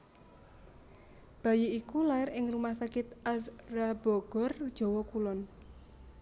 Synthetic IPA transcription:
b̥a̤jiikulaɪɾɪŋrumahsakɪt̪̚ʔasrabɔɡ̥ɔrd̥ʒ̥ɔ̤wɔkulɔn

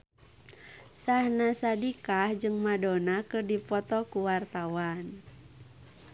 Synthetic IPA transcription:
sahnasadikahd͡ʒɨŋmadɔnakɨrdipɔt̪ɔkuwart̪awan

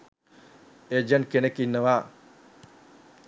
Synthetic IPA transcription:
ed͡ʒɐɳkenekinːɐʋa

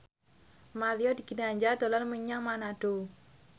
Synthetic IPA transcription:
maliɔd̪i̤ɡ̥inaɲd͡ʒad̪̥o̤lanməɲaŋmanaɖ̥o

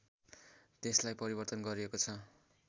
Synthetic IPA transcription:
t̪eslajpʌɾibʌrt̪ʌnɡʌɾiekot͡sʰʌ

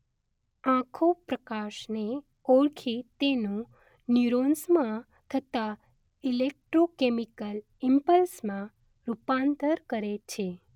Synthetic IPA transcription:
ãkʰopɾəkaʃne | oɭkʰit̪enũ | niuɾonsmã | t̪ʰət̪a | ilek̚ʈɾokemikəl | impəlsmã | ɾupant̪əɾkəɾet͡ʃʰe

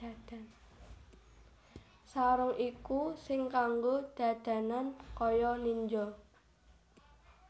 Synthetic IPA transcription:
ad̥an | saɾʊŋikusɪŋkaŋɡod̪̥ä̤d̪̥ä̤nankɔjɔniɲd͡ʒɔ

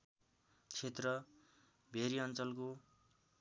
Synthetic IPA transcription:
t͡sʰet̪rʌ | bʱeɾiʌnt͡sʌlko

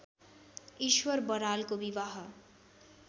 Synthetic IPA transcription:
iʃwʌɾbʌɾalkobibaɦʌ

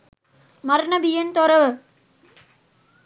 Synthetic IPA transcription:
mɐɾɳɐbijɐnt̪ɔɾɐʋɐ

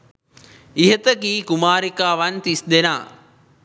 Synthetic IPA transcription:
iɦət̪əkiːkumaːɾikaːʋant̪isd̪ena̰ː

